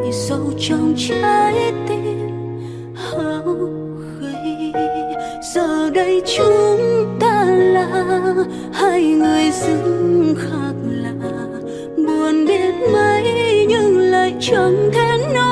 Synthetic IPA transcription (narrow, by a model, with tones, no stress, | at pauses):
zə˧wt͡ɕə˧wŋ͡mt͡ɕa˧jt̪e˧˦ | ha˨˧w | ɣə˨˧˨j | zəː˧˨˩ɗə˧˦jt͡ɕu˧˦ŋt̪aː˧˩laː˧˩ | ha˧jŋɨ˨˩əjzɨ˧˦ŋŋxaː˦k̚laː˨˩ | ɓu˨˩ənɗe˧˦t̚mə˧jɲɨ˧ŋləː˨jt͡ɕɔ˧˩ŋt̪ʰɛ˧˦nnɔ˧